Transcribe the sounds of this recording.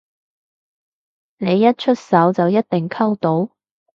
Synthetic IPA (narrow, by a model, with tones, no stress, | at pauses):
ne˨˧jɐ˥t̚t͡ʃʰɵ˥t̚sɐ˨˥wt͡sɐ˨wjɐ˥t̚t̪ɪ˨˩ŋkʰɐ˥wt̪o˨˥w